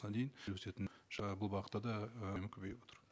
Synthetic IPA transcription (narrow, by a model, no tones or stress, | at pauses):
nɑd̪e̞jɪnlwɵse̞t̪ɪnʒɑbʊlˠbɑqət̪ːɑd̪ɑmɪkʲʰɵbejbo̞t̪əɾ